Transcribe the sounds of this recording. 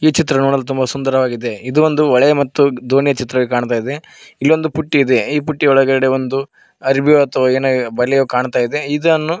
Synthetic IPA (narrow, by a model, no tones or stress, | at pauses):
iːt͡ʃit̪ɾɐnuːɳɐlːt̪̬umbɐsund̪ɐɾɐʋaːɡid̪e̞id̪uʋond̪uʋɔɭɛjɐmɐt̪ːud̪ʱoːnijɐt͡ʃit̪ɾɐʋikaːɳt̪aːjid̪e̞ | ilːio̞nd̪upuʈːiːd̪e̞iːpuʈːiɔɭɐɡɐɽeond̪u | ɐɾibʱioɐt̪ɐʋɐeːnɐbɐlːɛjoːkaːɳt̪aːjid̪e̞id̪ɐnːu